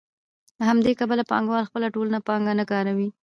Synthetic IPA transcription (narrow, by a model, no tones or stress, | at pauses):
ləhamd̪ekabəlapɑ̰ŋɡwɑlxpəlaʈolənapɑŋɡanəkɑɾawi